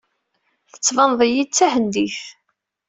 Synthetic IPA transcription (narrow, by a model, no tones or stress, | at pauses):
θə̥t͡sːvɑnðˤəjit͡sːæɦənd̪iθ